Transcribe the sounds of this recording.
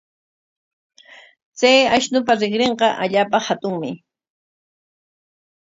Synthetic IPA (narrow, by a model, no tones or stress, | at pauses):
t͡sajaʃnʊp̬aɾɪχɾeɴqɑʔaʎaːpahat̪ʊŋmɪ